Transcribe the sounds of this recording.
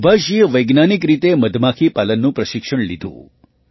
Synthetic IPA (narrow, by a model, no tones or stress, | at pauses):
bʱəʃiʋəjɡnanikɾit̪eməd̪ʱmakʰipalənːũpɾəʃɪkʂəɳlid̪ʱṵ̃ː